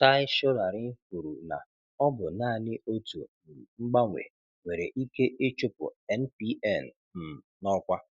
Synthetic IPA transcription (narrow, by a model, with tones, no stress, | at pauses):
ta˦ɪ˦ʃɔ˦ɾa˨ɾɪ˦ku˨ɾu˨na̰˨ | ɔ˦bʊ˨naː˦˨nɪ˦o˦tṵ˨ | ŋ͡m̩˦ɡ͡ba˦ŋʷḛ˨ | ŋʷe˨ɾe˨ʔi˦ke˦ʔe˦t͡ʃʊ˦pʊ̰˨ɛ˦n̩˦pi˦ɛ˦˨n̩˨ | m̩˨nɔ˦kʷa˦